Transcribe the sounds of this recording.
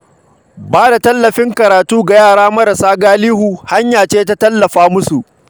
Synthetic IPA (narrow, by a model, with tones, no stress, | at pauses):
baː˦da˨tɐ˦lːɐ˨ɸɪ˦ŋkɐ˨ɾaː˨tuː˦ɡa˨jaː˦˨ɽaː˦mɐ˦ɾɐ˨saː˦ɡaː˦liː˦huː˨ha˦ɲjaː˨t͡ʃeː˦t̬a˦tɐ˦lːɐ˨ɸaː˦mʊ˦su˨ʔ